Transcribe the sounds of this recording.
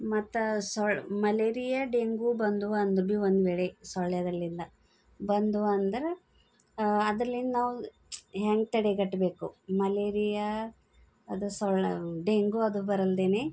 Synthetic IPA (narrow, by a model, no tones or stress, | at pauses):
mɐt̪ːsɔɭmɐleːɾijaɖeŋɡubɐnd̪uʋɐːnd̪ɾbiʋond̪uʋeːɭesɔɭjɐd̪ɐlːind̪ɐ | bɐnd̪uʋɐɐnd̪ɐɾe | ɐd̪ɾɐlːinnaːʋu | ɦaːŋɡ̚t̪ɐɽeɡɐʈːbe̞ːkumɐleːɾija | ɐd̪usɔɭɖeŋɡuɐd̪ubɐɾɐld̪eːne